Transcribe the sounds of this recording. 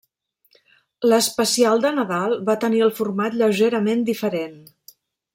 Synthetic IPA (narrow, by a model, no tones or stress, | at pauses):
ləspəsialˠd̪ənəðalˠβat̪əniəlˠfurmat̪ʎəwʒeɾəmend̪ifəɾen